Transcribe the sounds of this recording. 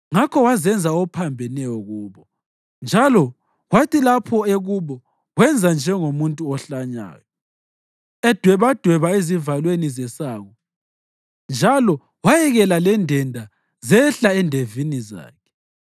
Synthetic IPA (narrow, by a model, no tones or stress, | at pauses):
ŋakʰɔwazɛnd͡zʱaɔpʰambʱɛnɛjɔɣuːβɔ | nd͡ʒʱalɔ | ɣwatʰʼilapʰɔeɣuβɔ | ɣwɛnd͡zʱand͡ʒʱɛŋomuntʼuɔɬaɲa̰ːjɔ | ɛd̥ʱwɛβad̥ʱwɛβaezivalwenizɛsaːɣɔ | nd͡ʒʱalɔ | wajɛɣɛlalɛndʱɛndʱa | zɛɬaɛndʱeviniza̰ːkʰɛ̥